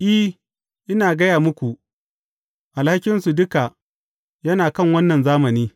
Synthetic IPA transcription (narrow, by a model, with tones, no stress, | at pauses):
ʔɪ˦ | ʔɪ˦naː˨ɡɐ˦jaː˨mʊ˦kʷu˨ʔ | ʔa˨lha˦kʲɪ˦nsu˨dʊ˦ka˨ | jɐ˦naː˨kɐ˦˨ŋwɐ˦nːɐ˨nzaː˦mɐ˨niː˦